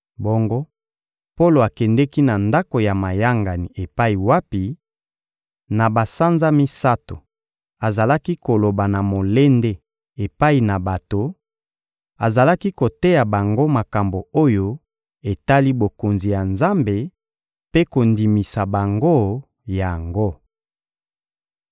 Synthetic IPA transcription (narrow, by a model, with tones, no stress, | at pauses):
bo˦ŋɡo˦ | po˦lo˨a˨kɛ˨ndɛ˦ki˦na˨nda˦ko˨ja˨ma˨ja˦ŋɡa˨ni˨e˨pa˦i˨wa˦pi˨ | na˨ba˨sa˦nza˦mi˦sa˦to˨ | a˨za˨la˦ki˦ko˨lo˨ba˨na˨mo˨le˦nde˦ | e˨pa˦i˨na˨ba˨to˨ | a˨za˨la˦ki˦ko˨te˦ja˨ba˨ŋɡo˦ma˨ka˨mbo˨o˦jo˦ | e˨ta˦li˦bo˨ko˨nzi˨ja˨nza˦mbe˨ | pe˦ko˨ndi˨mi˨sa˨ba˨ŋɡo˦ | ja˨ŋɡo˦